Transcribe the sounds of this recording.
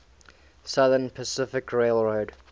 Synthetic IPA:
sʌðənpʰəsɪfɪkʰɹeɪlˠɹoʊd

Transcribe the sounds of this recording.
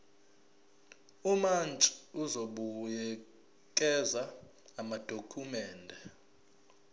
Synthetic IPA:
umant͡ʃʼiuzoɓujɛ | kʼɛza | amad̥ʱokʰumɛːndʱɛ

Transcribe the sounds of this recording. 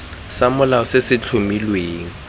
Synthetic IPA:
samʊlaʊsesɪt͡ɬʰʊmilweːŋ̩

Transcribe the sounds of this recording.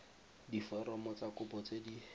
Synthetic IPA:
difɛɾɔmɔt͡sakʊpɔt͡sedi

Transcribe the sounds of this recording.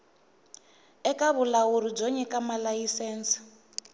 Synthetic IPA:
ɛkaβulawuɾib͡ʐɔɲɛkamalajisɛːnsi̥

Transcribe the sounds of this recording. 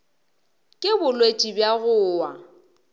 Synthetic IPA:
kʼɪbʊlwet͡ʃʼibjaɣʊːwa

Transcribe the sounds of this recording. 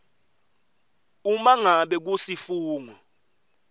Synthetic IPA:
umaŋaɓɛk̬usifuːŋɔ

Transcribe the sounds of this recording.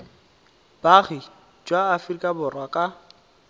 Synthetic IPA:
b̥aɣi | d͡ʒwaːfrikʼabʊrwakʼa

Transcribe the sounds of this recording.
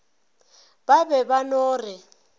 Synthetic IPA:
baβɛβanoːrɪ

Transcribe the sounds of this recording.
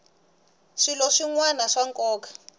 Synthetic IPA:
ʂilɔʂiŋwanaʂaŋkʼɔːkḁ

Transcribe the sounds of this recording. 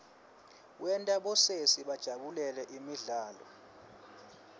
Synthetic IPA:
wɛntʼaɓɔsesiɓad̥ʒ̥ʱaɓulɛlɛʔimiɮaːlɔ̰

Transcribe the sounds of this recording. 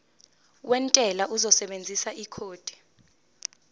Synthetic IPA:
wʔɛntʼɛlaʔuzɔsɛɓend͡zʱisaʔikʰoːd̥ʱi̥

